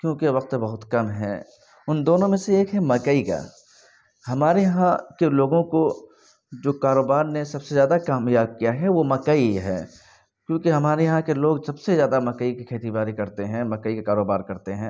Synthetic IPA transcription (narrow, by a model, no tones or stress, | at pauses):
kjõːkeʋɐq̚t̪bɐɦʊt̪kɐmɦɛ̰̃ː | ʊnd̪oːnõmẽseeːkɦɛmɐkəika̰ː | hɐmaːɾejɐɦãkeloːɡõko | d͡ʒoːkaːɾoːbaːɾnesɐbsezjaːd̪akaːmjaːb̚kijaɦɛʋomɐkəiɦɛ̰ː | kjõːkiɦɐmaːɾejɐɦãkeloːɡsɐbsezjaːd̪amɐkəikikʰeːt̪ibaːɾikɐɾt̪eɦɛ̃mɐkəikekaːɾoːbaːɾkɐɾt̪eɦɛ̃